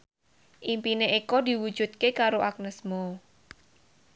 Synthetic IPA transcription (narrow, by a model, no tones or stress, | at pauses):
ʔimpineʔekɔd̪i̤wu̥d͡ʒ̥ṳt̪̚kekaɾoʔak̚nəsmɔ